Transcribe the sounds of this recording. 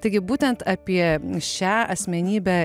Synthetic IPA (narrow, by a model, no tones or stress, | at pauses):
t̪ɐɪɡʲɪbuːt̪ʲɛnt̪ɑpʲiɛʃʲæːɐsʲmʲɛnʲiːbʲæː